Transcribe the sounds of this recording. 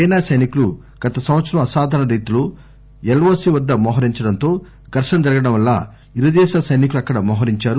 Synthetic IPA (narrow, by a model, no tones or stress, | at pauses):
ɛjnaːsɐjnikulu | ɡ̥ɐt̪ɐsɐmʋɐt̪sɐɾɐmɐsaːd̪ʱɐnɐɾiːt̪ulu | elʋoːsiʋɐd̪ːɐmɔːɦɐɾiɲt͡ʃɐɽɐnt̪o̞ː | ɡ̪ʱɐɾʂɐnɐd͡ʒɐɾɐɡɐɽɐmʋɐlːa̰ | iɾud̪ɛːʃaːsɐjnik̬uluɐkːɐɽɐmɔːɦɐɾiɲt͡ʃaːɾu